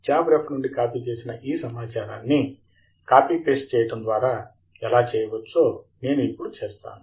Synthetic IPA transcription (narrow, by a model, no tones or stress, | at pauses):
d͡ʒaːbɾepnuɳɖikaːpiːt͡ʃe̞ːsinɐʔiːsɐmaːt͡ʃaːɾaːnːi | kaːpiːʈe̞ːsʈ̚t͡ʃɛːjɐʈɐnd̪ʋaːɾaː | ɛlaːt͡ʃɛːjɐʋɐt͡ʃːoːne̞ːnuipːuɽut͡ʃeːst̪a̰ːnu